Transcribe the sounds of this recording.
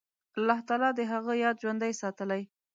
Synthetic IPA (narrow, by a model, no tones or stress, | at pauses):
alːɑht̪ɑlɑd̪əɦaɣəjɑd̪ʒwand̪ajsɑt̪əlaj